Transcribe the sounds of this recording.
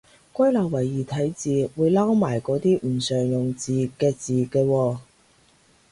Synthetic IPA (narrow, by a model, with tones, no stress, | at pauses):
kʷɐ˥jlɐ˨˩wɐ˨˩jːiː˨˩t̪ʰɐ˨˥jt͡siː˨wuː˨˧jlaː˥wmaː˨˩jkɔː˨˥t̪iː˥m̩˨˩sœː˨˩ŋjʊ˨ŋt͡siː˨kɛː˧t͡siː˨kɛː˧wɔː˧